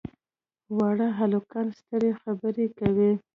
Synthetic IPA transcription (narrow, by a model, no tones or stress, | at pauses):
wɑɽaɦalokalst̪əɾexabəɾekawi